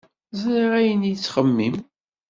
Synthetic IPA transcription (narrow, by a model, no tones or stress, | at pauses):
ziʁæjənjət͡sːχəmːim